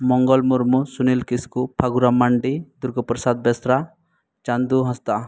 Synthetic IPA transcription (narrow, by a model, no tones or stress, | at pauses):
mɔŋɡɔlmuɾmusunilkiskupʰaɡuɾamaɳɖid̪uɾɡɔpɾɔsad̪̚bɛsɾa | t͡ʃand̪uɦɔst̪a